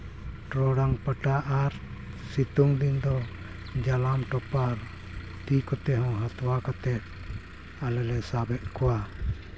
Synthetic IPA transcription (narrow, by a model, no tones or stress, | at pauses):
ɾɔɽaŋpəʈaʔaɾ | sit̪uŋd̪ind̪ɔ | d͡ʒalamʈɔpaɾ | t̪ikɔt̪ɛɦɔ̃ɦat̪ɔwakɔt̪ɛ | alɛlɛsabɛʔ̚kuwa